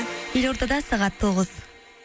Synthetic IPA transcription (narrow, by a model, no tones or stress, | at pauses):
jelʲoɾt̪ɑd̪ɑsɑʁɑt̪ʰːoʁəz̥